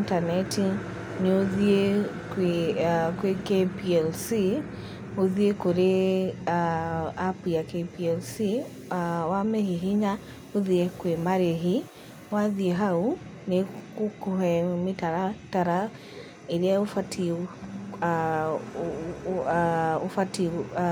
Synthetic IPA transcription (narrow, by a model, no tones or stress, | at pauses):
ntanɛtʰi | niuðiɛk | kwɛkɛpiɛlsi | uðiɛkuɾɛaapujakɛpiɛlsi | awamɛhiɦiɲa | uðiɛkwemaɾɛɦi | waðiɛɦau | nekukuɦɛmitaɾataɾa | iɾɛufatʰi | ufati